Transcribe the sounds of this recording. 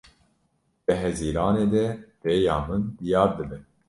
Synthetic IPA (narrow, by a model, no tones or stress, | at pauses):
b̥ɨɦɛziːɾɑːneːd̪ɛreːjɑːmɨnd̪ijɑːɾd̪ɨbɛn